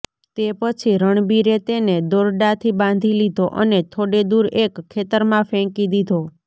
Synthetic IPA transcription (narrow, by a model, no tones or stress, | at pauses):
t̪epət͡ʃʰiɾəɳ̃biɾet̪ened̪oɾɖat̪ʰibãn̆d̪ʱilid̪ʱoʔənet̪ʰoɽed̪uɾekʰːet̪əɾmãfɛ̃kid̪id̪ʱo